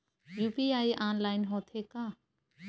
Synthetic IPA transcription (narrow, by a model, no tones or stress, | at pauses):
juːpiaːiʔãːnlaːɪnɦõːt̪ʰekãː